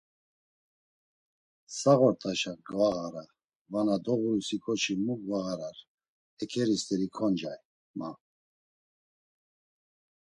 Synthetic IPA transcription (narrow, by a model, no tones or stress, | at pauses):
saɣɔɾt̪ʼaʃaɡvaɣaɾa | vanad̪ɔɣuusikʰʼɔt͡ʃʰimuɡvaɣaɾaɾ | ɛkʰɛɾist̪ʰʼɛɾikʰɔnd͡ʒaj | ma